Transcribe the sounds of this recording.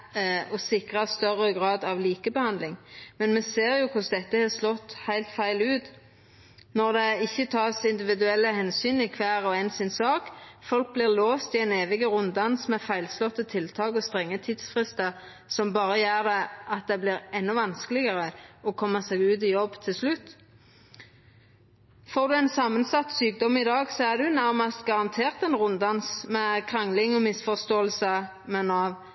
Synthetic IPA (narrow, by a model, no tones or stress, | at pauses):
ɔsɪkʁɑst̪œɾəɡɾɑːd̪ɑʋliːkəbəhɑnd̪lɪŋmɛnmɛseːɾjʊkʰʊsd̪ɛt̪ːəhɛslɔt̪ːhæɪlt̪fæɪlʉːt̪ | nɔʁd̪ɛɪçːət̪ʰɑːsɪnd̪ɪʋɪd̪ʉɛlːəhɛnsyːnɪkʰʋæːɾɔɛnsɪnsɑːkfɔlk̚blɪʁloːst̪ɪɛneːʋɪɡəɾʊnd̪ɑnsmɛfæɪlslɔt̪ːət̪ʰɪlt̪ʰɑːkɔst̪ʁɛŋːət̪ʰiːd̪sfʁɪst̪ə | sɔmbɑːɾəjæːʁd̪ɛʔɑt̪̚d̪ɛbliːʁɛnːɔʋɑnsklɪɡəʁəɔkʰɔmːəseːɡʉːt̪ɪjɔbːt̪ʰɪlslʉt̪ | foːʁd̪ʉɛnsɑːmənsɑt̪syːk̚d̪ɔmɪd̪ɑːɡsɔæʁd̪ʉnæʁmɑst̪ɡɑʁɑnt̪ʰeːʁt̪ɛnʁʊnd̪ɑnsmɛkʰʁɑŋlɪŋɔmɪsfɔʁst̪oːəlsə | mɛnɑʋ